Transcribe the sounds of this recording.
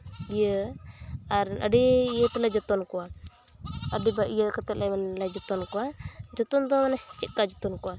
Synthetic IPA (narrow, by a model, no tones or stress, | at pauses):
ijə | aɾə̰ɖijət̪ɛlad͡ʒɔt̪ɔnkɔwa | əɖibaʔijəkat̪ɛt̪̚lʔɛmanlad͡ʒɔt̪ɔnkɔwad͡ʒɔt̪ɔnd̪ɔmanɛht͡ʃɛt̪̚ˀkad͡ʒɔt̪ɔnkɔwa